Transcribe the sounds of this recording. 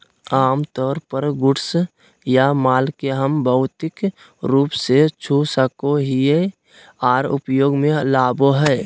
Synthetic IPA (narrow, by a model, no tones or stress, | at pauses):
aːmt̪ɔːɾpəɾɡʊʈs | jamaːlkeɦəmbʱəʊt̪ɪk | ɾuːpset͡ʃʰusəkoɦie | aːɾʊ̰pjoːɡmẽlaːboɦɛː